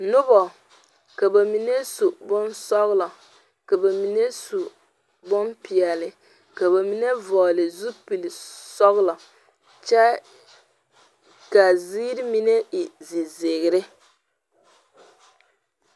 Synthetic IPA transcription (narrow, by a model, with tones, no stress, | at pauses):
nʊ˦bɔ˨ | ka˨ba˨mi˨ne˦su˨bʊ˦nsɔ˦ɣlɔ˨ | ka˨ba˨mi˨ne˦su˨ | bʊ˦npi˨ɛ˨lɪ˨ | ka˨ba˨mi˨ne˦vɔː˨lɪ˨zu˦pi˨lɪ˨sɔ˦ɣlɔ˨ | t͡ʃɛ˦ | ka˨ziː˦ɾɪ˦mi˦ne˦i˨zi˨ze˨ɣɪ˨ɾɪ˦